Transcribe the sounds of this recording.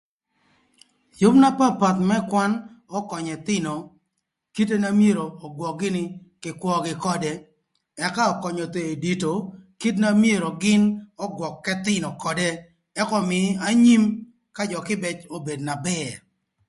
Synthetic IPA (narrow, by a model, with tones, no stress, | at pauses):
jʊ˦bna˦pa˦pa˨t̪mɛ˦kwa˦n | ɔ˦kɔ˨ɲɛ˨t̪ɪ˦nɔ˨ | ki˦t̬e˦na˦mje˦ɾoː˨ɡwɔ˨k̚ɡɪ˦nɪ˦kɪ˨kwʷɔ˦ɡɪ˨kɔ˦dɛ˦ | ɛ˨ka˦ɔ˨kɔ˨ɲɔ˨t̪eː˨di˨to˨ki˦tna˦mje˦ɾo˨ɡɪ˦nɔ˦ɡwɔ˨kːɛ˦t̪ɪ˦nɔ˨kɔ˨dɛ˦ | ɛ˦kɔ˦mɪ˨˦a˦ɲi˦m | ka˦d͡ʒɔ˨kɪ˦bɛ˨t͡ʃo˦be˨dna˨bɛ˦ɾ